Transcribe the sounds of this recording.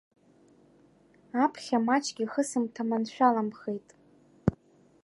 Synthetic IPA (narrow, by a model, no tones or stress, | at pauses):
apʰχʲamat͡ʃʰʼɡʲiχəsɨmtʰamanʃᶣalamχe̞jtʼ